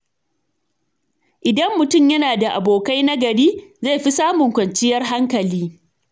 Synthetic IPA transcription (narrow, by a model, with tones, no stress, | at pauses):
ʔɪ˨dɐ˦mːʊ˨tʊ˦˨mjɐ˦naː˨da˨ʔa̰˨boː˨ka˦jna˦ɡɐ˨ɽiː˦za˦˨jɸi˦saː˦mʊ˨ŋkʷɐ˨nt͡ʃɪ˦jɐ˦rɦa˦ŋkɐ˨liː˦